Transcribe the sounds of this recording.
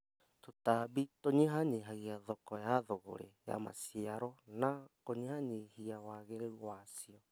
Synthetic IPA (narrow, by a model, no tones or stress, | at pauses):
totaːbitoɲiɦaɲiɦaɣiaðɔkɔjaðoɣo̰ɾeja̰ma̰siaɾɔnakoɲihaɲihiawaːɣeɾeuwasiɔ